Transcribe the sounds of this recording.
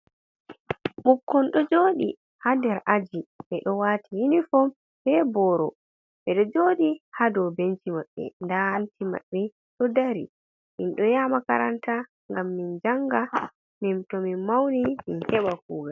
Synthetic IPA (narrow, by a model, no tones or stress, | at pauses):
mukːɔnɗɔd͡ʒoːɗi | hadɛɾʔad͡ʒiɓɛɗɔwaːtijinifɔm | bɛbɔɾɔ | ɓɛɗɔd͡ʒoɗihadɔbent͡ʃimaɓːɛ̰ndahantima̰ɓːɛ | ɗɔdaɾḭ | minɗɔjaːmaka̰ɾanta | ŋɡamːind͡ʒaŋɡa | mimtɔmimawniminkɛɓakuːɡal